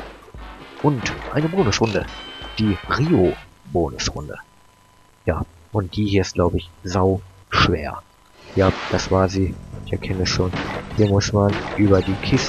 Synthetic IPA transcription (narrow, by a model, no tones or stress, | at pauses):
ʔʊntʔa̰ɪnəboːnʊsʁʊndəd̥iːʁiːo | boːnʊ̰sʁʊ̰ndə̰ | jaː | ʔʊnt̚d̥iːhiːɐɪst̚ɡ̥laʊbəɪçzaʊ | ʃv̥ḛːɐ | jaːd̥asv̥aːɐziːɪçɛɐkʰɛnəɛsʃoːnhiːɐmʊsmanʔyːbɐdiːkʰɪs